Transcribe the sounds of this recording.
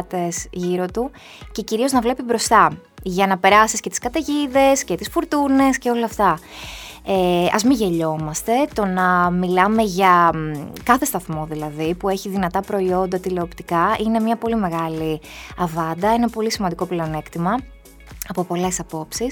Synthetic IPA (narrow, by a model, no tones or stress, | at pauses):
t̪esʝiɾo̞t̪u | ce̞ciɾio̞znɐvle̞pibɾo̞st̪ɐ | ʝɐnɐpe̞ɾɐsiscet̪i̥skɐt̪eʝiðe̞sce̞t̪isfuɾt̪une̞sce̞o̞lɐːft̪ɐ | eɐ̰zmiʝe̞ʎo̞mɐst̪e̞t̪o̞nɐmilɐme̞ʝɐ | kɐθe̞st̪ɐθmo̞ðilɐðipue̞çiðinɐt̪ɐpɾo̞io̞nd̪ɐt̪ile̞opt̪ikɐine̞mɲɐpo̞lime̞ɣɐliɐvɐnd̪ɐenɐpo̞lisimɐnd̪iko̞plone̞kt̪imɐ | ɐpo̞po̞le̞sɐpo̞psis